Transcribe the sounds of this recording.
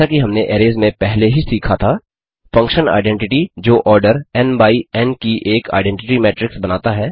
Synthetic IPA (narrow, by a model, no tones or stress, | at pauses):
akiɦɐmneʔeːɾeːzmẽpɛɦleɦisiːkʰat̪ʰaː | fɐ̃ŋkʃəna̰ːɪɖɛ̃ɳʈɪʈid͡ʒoːʔɔːɾɖəɾɛnbaːiɛnkiʔeːka̰ːɪɖɛ̃ɳʈɪʈimɛːʈɾɪksbɐnaːt̪aɦɛː